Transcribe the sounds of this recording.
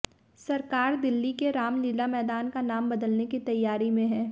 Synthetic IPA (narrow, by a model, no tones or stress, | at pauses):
sɐɾkaːɾd̪ɪlːikeɾaːmlilamɛːd̪aːnkanaːmbɐd̪əlnekit̪ɐjːaːɾimẽɦɛː